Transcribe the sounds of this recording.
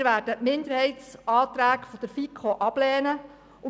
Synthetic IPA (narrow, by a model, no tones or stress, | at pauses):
ɾʋæːrdəmɪnd̪əɾhɛjtsɑːt̪ɾæːkfɔd̥̪əɾfikʰoʔɑb̥lɛːnə | ʊ